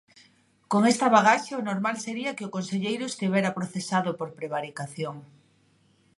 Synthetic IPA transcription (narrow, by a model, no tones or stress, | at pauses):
koŋest̪ɐβaɣ̞aʃaonoɾmalseɾiɐkeʊkonseʎejɾʊest̪iβɛɾapɾoθesaðʊpoɾpɾeβ̞aɾikaθjoŋ